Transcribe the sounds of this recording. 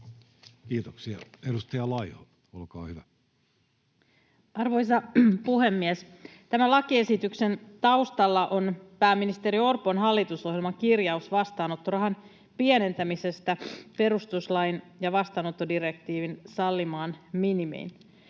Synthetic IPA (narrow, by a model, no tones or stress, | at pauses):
kiːt̪oksiɑ̰edust̪ɑjɑlɑiho | olkɑ̰ːhyʋæ | ɑrʋo̞js̬ɑpuhe̞mːiɛs | t̪æmælɑkie̞sit̪ykse̞nt̪ɑust̪ɑlːɑʔo̞npæːmːinist̪eɾio̞rponɦɑlːit̪uso̞ɦjelmɑŋkirjɑusʋɑst̪ɑːno̞t̪ːorɑɦɑn | piene̞nt̪æmise̞st̪æpe̞ɾust̪uslɑjn | jɑʋɑst̪ɑːnot̪ːodiɾe̞k̚t̪iːʋinsɑlːimɑːnminimḛːn